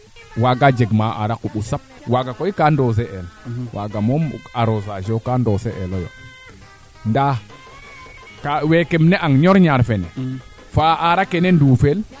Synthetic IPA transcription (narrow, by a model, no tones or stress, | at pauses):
waɡad͡ʒeɡmaʔa̰ɾakuɓusap̚waɡakojkandos̬ɛʔɛlwʔaɡamɔmaɾozaʒokandɔsɛʔɛlɔjo̰ | nda | kawekemnɛʔaŋɲɔɾɲaɾfɛnɛ | faaɾakenɛndufel